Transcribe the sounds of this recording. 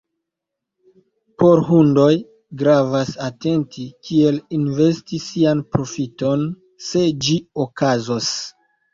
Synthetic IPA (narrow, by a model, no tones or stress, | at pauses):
po̞ɾɦundo̞j | ɡɾavasate̞ntʰikʰie̞linve̞stisianpɾo̞fito̞n | se̞d͡ʒiokazos